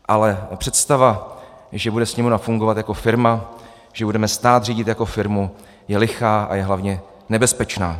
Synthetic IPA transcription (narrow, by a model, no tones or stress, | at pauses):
ʔalɛpr̝̥ɛt̪st̪ava | ʒɛbudɛsɲɛmunafuŋɡovat̪jako̞fɪɾma | ʒ̥ɛbudɛmɛst̪aːt̪riːɟɪt̪jako̞fɪɾmu | jɛlɪxaːʔa̰jɛɦlavɲɛ | nɛbɛspɛt͡ʃnaː